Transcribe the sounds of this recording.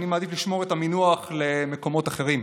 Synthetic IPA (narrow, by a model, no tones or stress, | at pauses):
nimad̪ifliʃmo̞ʁet̪aminuaχle̞meko̞mo̞t̪aχe̞ʁim